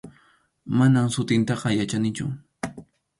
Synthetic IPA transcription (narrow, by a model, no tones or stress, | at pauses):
manamsʊt̪ɪnt̪ɑqɑjat͡ʃanɪt͡ʃʊ̰